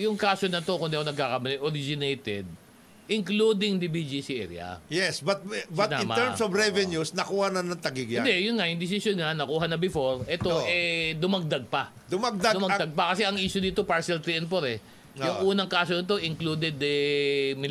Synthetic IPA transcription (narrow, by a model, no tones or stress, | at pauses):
jʊŋkaːso̞nɐt̪o̞kʊnd̪iʔonɐɡ̚kakɐmɐlɛʔoɾid͡ʒɪnejt̪ɛd̪̚ | ʔɪŋkluːd̪ɪŋd̪ɪbid͡ʒisiʔɛ̰ɾj̰ɐ̰jɛsbɐt̪̚bɐnãma̰t̪ɛɹmsovɾɛvɛnjusnɐkuːhɐnɐnɐŋt̪ɐɡiɡɪnad̪ɛjʊnŋajʊŋd̪ɪs̬ɪsjonŋɐnɐkuːɦɐnɐbɪfo̞ɹʔɛt̪oʔɛd̪ʊmɐɡ̚d̪ɐɡ̚pɐ | d̪ʊmɐɡ̚d̪ad̪ʊmɐɡd̪aɡ̚pɐkɐsɛɐŋʔiːʃod̪iːt̪o̞paɹsɛlt̪ɾiɛnpoɾɛ | jʊŋʔuːnɐŋkaːsonɐt̪̬o̞ʔɪŋkluːd̪ɛd̪ɛmɪ